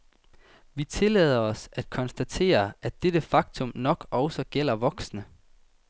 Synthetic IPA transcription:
ʋit͡sʰe̝lɛð̞̰ˠɐɒ̽sæd̥kʰɒ̽nsd̥æt͡sʰe̝̰ːɐʔæd̥ed̥əfɑ̈ɡ̥̚t͡sʰɔ̽mnɒ̽ɡ̥ɒʊsɒ̽ɡ̥el̰ɐʋɒ̽ɡ̥snə

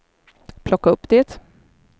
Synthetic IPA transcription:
pʰlɔkːaɵpːd̪eːt̪

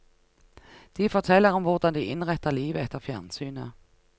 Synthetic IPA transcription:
d̪̥iːfɔt̪ʰɛlːəʁɔmvʊʁd̪ɑnd̪iʔɪnʁɛt̪ːəʁliːʋəɛt̪ːəʁfjæʁnsyːnə

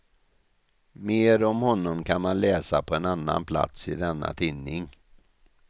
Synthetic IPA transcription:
meːɾɔmhɔnːɔmkʰanmanlɛːsapʰɔɛnanːa̰npʰla̰t̪sɪd̪ɛnːa̰t̪ʰɪnːɪŋ

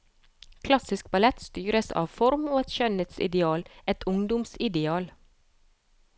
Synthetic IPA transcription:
kʰlɑsɪsk̚bɑlɛt̪st̪yːɾəsɑ̰ːʋfɔɾmuːɛt̪ʃœnət̪sɪ̰d̪ɛɑːlɛt̪ʰʊŋd̪ʊmsɪd̪ɛɑːl

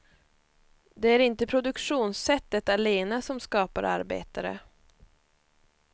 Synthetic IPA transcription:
d̪ɛæɾɪnt̪əpʰɾʊd̪ɵkʂuːnsɛt̪ːət̪aleːnasɔmskɑːpa̰ɾʔa̰ɾbḛːt̪aɾə̰

